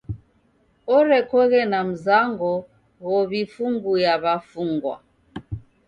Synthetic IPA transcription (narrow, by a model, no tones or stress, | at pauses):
ɔɾɛkɔɣɛnam̩zaŋɡɔ | ɣɔβifuŋɡujaβafuŋɡwa̰